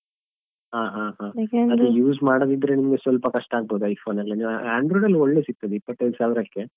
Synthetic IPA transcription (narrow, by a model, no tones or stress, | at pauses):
ɦaːɦãːɦãːɐd̪ejuːzmaːɽod̪id̪ɾe̞nimɐɡe̞sʋɐlpɐkɐʂʈaaːɡ̚boːd̪uɐjfʰoːnɐlːɐniːʋaːɳɖɾoːɖɐlːoɭːe̞ːsik̚t̪ɐd̪eipːɐt̪ːɐd̪usaːʋiɾɐkːe̞